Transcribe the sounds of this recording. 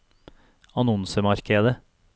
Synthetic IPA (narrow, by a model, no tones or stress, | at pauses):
ɑnɔnsəmɑɾkeːd̪ə